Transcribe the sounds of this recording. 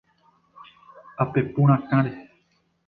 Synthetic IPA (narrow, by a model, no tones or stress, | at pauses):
apepũɾ̃ãkãɾe